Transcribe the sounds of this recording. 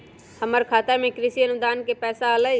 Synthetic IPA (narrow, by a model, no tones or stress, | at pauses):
həməɾkʰaːt̪amẽkɾɪsiənʊd̪aːnkepɛːsaələi